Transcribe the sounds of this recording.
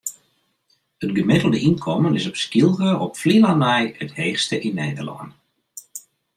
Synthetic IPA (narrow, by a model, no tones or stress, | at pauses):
ətɡəmɪtəl̩ˠdəʔinkʰɔmənɪsɔpskilˠɣəɔpflilanɛjətheːxstəʔinːeːdərlɔ̰ən